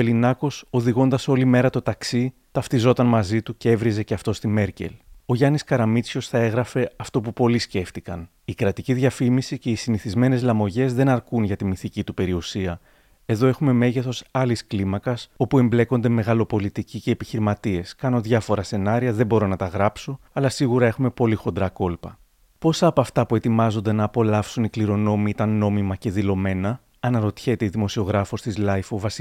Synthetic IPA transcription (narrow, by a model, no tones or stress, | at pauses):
elinɐko̞so̞ðiɣo̞nd̪ɐso̞lime̞ɾɐt̪o̞t̪ɐksi | t̪ɐft̪izo̞t̪ɐnmɐzit̪ucee̞vɾize̞ceɐft̪o̞st̪ime̞ɾce̞̰lo̞ʝɐniskɐɾɐmit͡sço̞sθɐe̞ɣɾɐfe̞ɐft̪o̞pupo̞lisce̞ft̪ikɐn | ikɾɐt̪iciðʝɐfimisice̞isiniθizme̞ne̞zlɐmo̞ʝe̞zðe̞nɐɾkunʝɐt̪imiθicit̪upe̞ɾiusiɐ | e̞ðo̞e̞xume̞me̞ʝe̞θo̞sɐlisklimɐkɐso̞pue̞mble̞ko̞nd̪e̞me̞ɣɐlo̞po̞lit̪icice̞ːpiçiɾimɐt̪ie̞skɐno̞ðʝɐfo̞ɾɐse̞nɐɾiɐðe̞bo̞ɾo̞nɐt̪ɐɣɾɐpso̞ | ɐlɐsiɣuɾɐe̞xume̞po̞lixo̞nd̪ɾɐko̞lpɐ̰ | po̞sɐːpoɐft̪ɐpue̞t̪imɐzo̞nd̪e̞nɐːpo̞lɐfsunikliɾo̞no̞miit̪ɐnːo̞mimɐce̞ðilo̞me̞nɐ | ɐnɐɾo̞t̪çe̞t̪eiðimo̞sio̞ɣɾɐfo̞st̪izlɐjfovɐs